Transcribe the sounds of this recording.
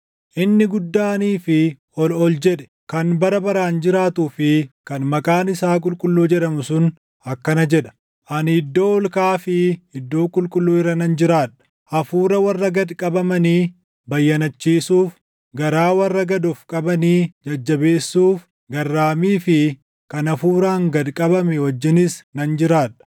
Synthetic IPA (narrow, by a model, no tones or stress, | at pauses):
ʔɪnːɪɡʊd̪ːaːniːfɪ | ɔlɔld͡ʒɛᶑɛ̥ | kɐnbɐɾɐbɐɾaːnd͡ʒɪɾaːt̪uːfɪkɐnmɐkʼaːnɪsaːkʼʊlkʼʊlːuːd͡ʒɛᶑɐmʊsʊn | ɐkːɐnɐd͡ʒɛᶑɐ̥ | ʔɐnɪd̪ːo̞ːɔlkaːfɪɪd̪ːoːkʼʊlkʼʊlːuːɪrɾɐnɐnd͡ʒɪɾaːᶑɐ̥ | ʔɐfuːɾɐwɐrːɐɡɐd̪kʼɐbɐmɐniː | bɐjːɐnɐt͡ʃːiːsuːf | ɡɐɾaːwɐrːɐɡɐd̪ɔfkʼɐbɐniːd͡ʒɐd͡ʒːɐbe̞ːsːuːf | ɡɐrːaːmiːfɪ | kɐnɐfuːɾaːŋɡɐd̪kʼɐbɐmɛwɐd͡ʒːɪnɪsnɐnd͡ʒɪɾaːᶑɐ̥